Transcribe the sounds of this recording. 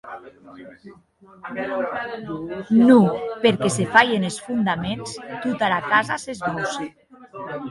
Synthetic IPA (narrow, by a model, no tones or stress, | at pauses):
nupeɾkesefajenesfund̪amenst̪ut̪alakazasezβɔs